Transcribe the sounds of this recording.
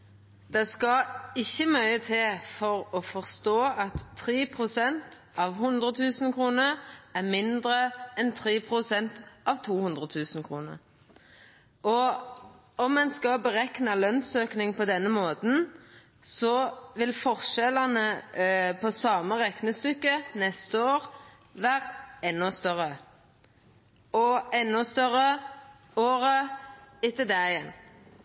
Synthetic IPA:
d̪̥ɛskɑɪçːəmœʏət̪ʰɪlfɔʁɔfɔʁst̪oːɑt̪ʰːʁeːpʰʁʊsɛnt̪ɑʋɦʉnd̪ʁət̪ʰʉːsnkʰʁuːnəɾæmɪnd̪ɾəɛnt̪ʰʁeːpʰʁʊsɛnt̪ʔɑʋt̪ʰuːhʉnd̪ʁət̪ʰʉːsn̩kʰʁuːnə̰ɾ | ʔɔ | ɔmːɛnskɑbəʁɛknɑlœnsøːknɪŋpʰɔd̪ɛnːəmoːt̪n̩ | sɔʋɪlfɔʁʃɛlɑnəpʰɔsɑːməʁɛknəst̪ʏkːənɛst̪əoːʁ | ʋæːʁɛnːɔst̪œʁə | ɔɛnːɔst̪œʁə | oːʁəɪt̪əd̪æɛn

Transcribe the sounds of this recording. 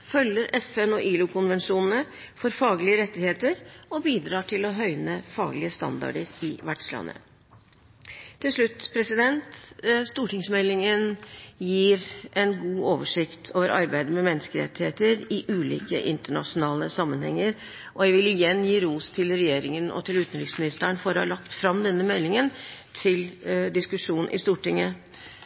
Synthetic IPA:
fœljːəɾɛfɛnɔʔiːlʊkʰʊnʋɛnʂuːnn̩ə | fɔɾfɑːɡlɪəɾɛt̪ːɪheːt̪əɾɔbiːd̪ɾɑːʈʰɪlɔɦœʏnəfɑːɡlɪəst̪ɑ̰nd̪ɑ̰ɖəɾɪʋæʈʂlɑ̰nːə̰ | t̪ʰɪlʂɭʉt̪ːpʰɾɛsɪd̪ɛnt̪st̪uːʈɪŋsmɛlːɪŋənjiːɾʔɛnɡuːoːʋəʂɪkt̪ʰoːʋəɾɑ̰ɾbæɪd̪əmɛmɛnːəskəɾɛ̰t̪ːheːt̪əɾɪʔʉːlḭːkə̰ʔɪnt̪əɳɑ̰ʂʊnɑːləsɑmːənhɛŋːəɾ | ʔɔjæʋɪlɪjɛnːjiːɾuːst̪ʰɪlɾɛjeːɾɪŋənɔ̰t̪ʰɪlʉːt̪ənɾɪksmɪnɪst̪əɳfɔɾɔhɑ̰ɭɑkt̪fɾɑmd̪ɛnːəmɛlːɪŋənt̪ʰɪld̪ɪskʉʂuːnn̩ʔɪ̰st̪uːʈɪŋːə

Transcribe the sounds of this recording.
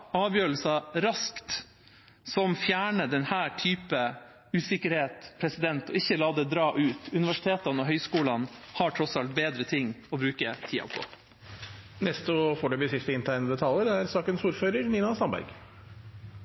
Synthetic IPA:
ɑːʋjøːɾl̩sɑɾɑskt̪ | sɔmfjæːɳəd̪ɛnhæːʈʰyːpə | ʉːsɪkəɾheːt̪pʰɾɛsɪd̪ɛnt̪ɔ̰ɪçːəlɑːd̪ɛːd̪ɾɑːʔʉːt̪ʉnɪʋæʂɪ̥t̪ʰeːt̪ɑnɔɦœʏskuːlɑnhɑʈʰɾɔsɑlt̪̚beːd̪ɾət̪ʰɪŋːɔbɾʉːkət̪ʰiːɑ̰pʰɔ̰ | nɛst̪əfɔːɖʉbəsɪft̪əɪnt̪ʰæɪnəd̪ɛt̪ʰɑləd̪ɛæɾsɑːkənsuːɾføːɾəɾniːnɑst̪ɑmbæ̰ɾɡ

